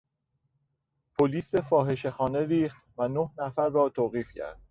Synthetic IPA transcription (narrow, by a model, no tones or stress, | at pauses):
pʰoliːsbe̞fɒːɦe̞ʃe̞xɒːne̞ɾiːxt̪vænohnæfæɾːɒːt̪ʰoːɣiːfcʰæ̰ɾd̪̥